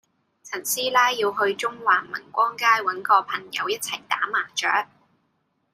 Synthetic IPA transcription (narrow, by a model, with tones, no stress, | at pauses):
t͡sʰɐ˨˩nsiː˥laː˥jiː˧wɦɵ˧ɥt͡ʃʊ˥ŋwaː˨˩mɐ̰˨˩nkʷɔː˥ŋkaː˥jwɐ˨˥nkɔː˧pʰɐ˨˩ŋjɐ̰˨˧wjɐ˥t̚t͡sʰɐ˨˩jt̪aː˨˥maː˨˩t͡ʃœː˨˥k̚